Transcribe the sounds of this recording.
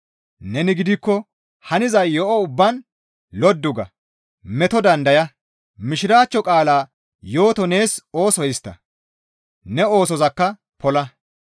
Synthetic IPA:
nɛnɪɡɪd̪ɪkːɔ | hɐnɪzɐjjɔʔɔʊbːɐn | lɔd̪ːʊɡɐ̰ | mɛt̪ɔd̪ɐnd̪ɐjɐ | mɪʃɪɾaːt͡ʃːɔkʼaːlaː | jo̞ːt̪ɔne̞ːso̞ːsɔjɪst̪ːɐ̰ | nɛo̞ːsɔzɐkːɐ | pɔlɐ

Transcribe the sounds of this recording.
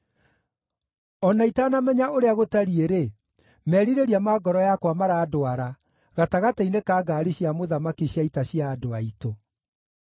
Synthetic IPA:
ɔnaitaːnamɛɲaoɾeaɣotaɾieɾe | mɛɾiɾeɾiamaːɡɔɾɔjakwamaɾaːdoaɾa | ɣataɣatainekaːɡaːɾiɕiamoðamakiɕjaitaɕiaːdoaito

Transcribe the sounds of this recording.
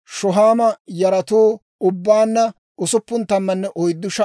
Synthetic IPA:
ʃɔɦaːmɐjɐɾɐt̪uː | ʊbːaːnːɐ | ʊsʊpːʊnt̪ɐmːɐnːɛʔɔjd̪ːʊʃɐ

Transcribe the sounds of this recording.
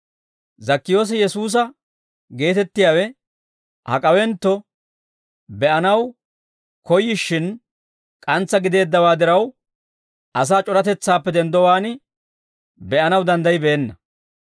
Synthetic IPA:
zɐkːɪjo̞ːs̬ɛjɛsuːs̬ɐ | ɡe̞ːt̪ɛt̪ːɪjaːwɛ | hɐ̰kʼɐwɛnt̪ːɔ | bɛʔɐnɐw | kɔjːɪʃːɪn | kʼɐnt͡sːɐɡɪd̪e̞ːd̪ːɐwaːd̪ɪɾɐw | ʔɐs̬aːt͡ʃʼɔɾɐt̪ɛt͡sːaːpːɛd̪ɛnd̪ɔwaːnɪ | bɛʔɐnɐwd̪ɐnd̪ɐjbe̞ːnːɐ

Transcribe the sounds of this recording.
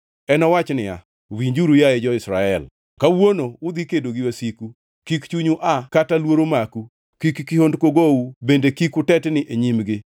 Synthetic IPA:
ɛnɔwat͡ʃnɪa̰ | wiɲd͡ʒuɾujaɛd͡ʒɔɪsɾa̰ɛl | kawonoʊd̪ikedoɡɪwasiku | kikt͡ʃuɲuʔakatalwoɾomaku | kikkihondkoɡowubendekikʊtɛtnɪʔeɲimɡɪ

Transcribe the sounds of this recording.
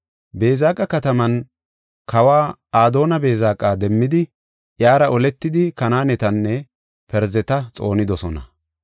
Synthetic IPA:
be̞ːzaːkʼɐkɐt̪ɐmɐn | kʰɐwaːaːd̪o̞ːnɐbe̞ːzaːkʼːaːd̪ɛmːɪd̪ɪ | ʔjaːɾɐʔɔlɛt̪ːɪd̪ɪkɐnaːnɛt̪ɐnːɛ | pɛɾzɛt̪ɐt͡sʼo̞̰ːnɪd̪ɔsɔnɐ̰

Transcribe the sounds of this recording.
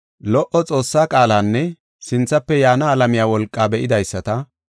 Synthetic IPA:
lɔʔɔt͡sʼo̞ːsːaːkʼaːlaːnːɛ | sɪnt͡sːɐpːɛjaːnaːlɐmɪjaːwɔlkʼːaːbɛʔɪd̪ɐjsːɐt̪ɐ

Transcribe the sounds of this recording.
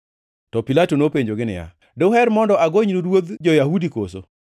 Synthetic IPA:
tɔpilatonopeɲd͡ʒoɡɪnɪ̰ja̰ | doɦɛɾmɔndɔʔaɡoɲnuɾwod̪d͡ʒɔjahudiko̰so̰

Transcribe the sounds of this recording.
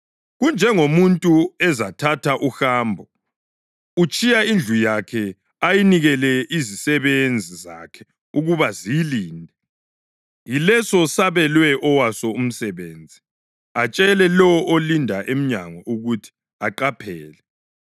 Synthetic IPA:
ɣund͡ʒʱɛŋomuntʼuɛzatʰatʰaʔuxaːmbʱɔ | ut͡ʃʼijaind͡ɮʱujakʰɛ | ajiniɣɛlɛizisɛβend͡zʱiza̰kʰɛ̥ | uɣuβaziiliːndʱɛ | jilɛsɔsaβɛlwɛʔɔwasɔum̩sɛβeːnd͡zʱi | at͡ʃʼɛlɛlɔɔolindʱaʔem̩ɲaŋɔʔuɣutʰi̥ | aǃapʰɛːlɛ

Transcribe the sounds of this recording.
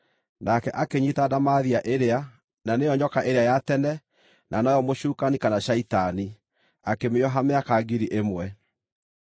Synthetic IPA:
nakɛʔakeɲitadamaðiaʔeɾea | nanejɔɲɔkaʔeɾeajatɛnɛ | nʔanɔjɔmoɕuːkanikanaʃaitani | akemeɔɦameakaɡiɾiʔemwɛ

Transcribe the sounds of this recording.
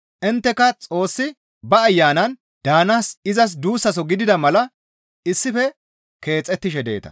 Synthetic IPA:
ʔɪnt̪ːɛkɐt͡sʼo̞ːsːɪ | bɐːjːaːnɐn | d̪̥aːnaːsɪzɐs̬d̪uːsːɐs̬ɔɡɪd̪ɪd̪ɐmɐlɐ | ɪsːɪfɛ | ke̞ːt͡sʼːɛt̪ːɪʃɛd̪ḛːt̪ɐ̥̰

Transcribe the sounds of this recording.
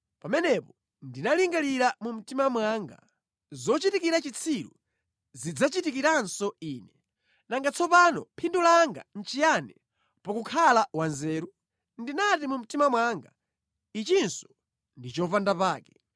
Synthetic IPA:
pamɛnɛpɔ | ndinaliŋɡaliɾamum̩timamwaŋɡa̰ | zɔt͡ʃitikiɾat͡ʃit͡sʰiɾṵ | zid͡zat͡ʃitikiɾansɔiːnɛ | naŋɡat͡sʰɔpanɔpʰindulaŋɡa̰n̩t͡ʃijanɛ | pɔkukʰalawanzɛːɾu | ndinatimum̩timamwaŋɡa̰ | it͡ʃinsɔ̥ | ndit͡ʃɔvandapaːkɛ

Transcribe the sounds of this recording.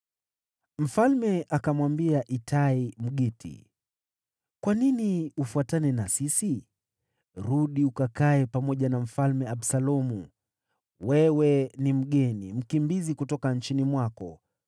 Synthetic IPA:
m̩falmɛʔakamwambiaʔitʰaim̩ɠitḭ | kwaniniufuatanɛnasisi | ɾuɗiukakaɛpamɔʄanam̩falmɛaɓsalɔmu | wɛwɛnim̩ɠɛnḭm̩kimbizikutɔkant͡ʃinimwakɔ̰

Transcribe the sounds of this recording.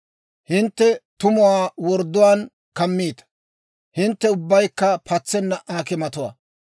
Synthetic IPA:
hɪnt̪ːɛt̪ʊmʊwaːwɔɾd̪ːʊwaːn | kɐmːiːt̪ɐ̥ | hɪnt̪ːɛʊbːɐjkːɐpʰɐt͡sːɛnːɐʔaːkɪmɐt̪ʊwɐ̰

